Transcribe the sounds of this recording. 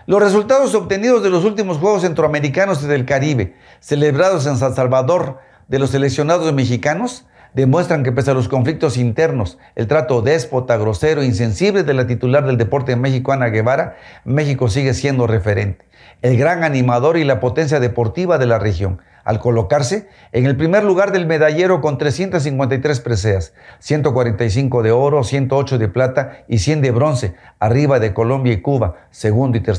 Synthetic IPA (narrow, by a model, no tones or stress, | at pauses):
lo̞sre̞s̬ult̪aðo̞s̬o̞βt̪e̞niðo̞zðe̞lo̞s̬ult̪imo̞sxwe̞ɣ̞os̬e̞nt̪ɾoame̞ɾikano̞siðe̞lkaɾiβe̞ | se̞leβɾaðo̞s̬e̞nsalsalβaðo̞ɾ | ðelo̞se̞le̞ksjo̞naðo̞zmexikano̞z | d̪e̞mwe̞st̪ɾaŋke̞pe̞s̬alo̞sko̞ɱflik̚t̪o̞sint̪e̞ɾno̞s | e̞lt̪ɾat̪o̞ðe̞spo̞t̪aɣɾo̞se̞ɾoins̬e̞nsiβle̞ðelat̪it̪ulaɾðe̞ld̪epo̞ɾt̪eme̞xikoanaɣe̞βaɾame̞xiko̞siɣe̞sje̞nd̪o̞re̞fe̞ɾe̞nt̪e̥ | elɣɾaŋanĩmaðo̞ɾilapo̞t̪e̞ns̬jaðe̞po̞ɾt̪iβaðe̞larexjo̞̰ŋ | a̰lko̞lo̞kaɾse̞ː | ŋe̞lpɾime̞ɾluɣaɾðe̞lme̞ðaʝe̞ɾo̞ko̞nt̪ɾesje̞nt̪as̬ːiŋkwent̪ajt̪ɾe̞spɾe̞s̬eas | sje̞nt̪o̞kwaɾe̞nt̪ajs̬iŋko̞ðe̞o̞ɾo̞sje̞nt̪oot͡ʃo̞ðe̞plat̪aisje̞nd̪e̞βɾo̞nseariβaðe̞ko̞lo̞mbjaikuβa | se̞ɣund̪oit̪e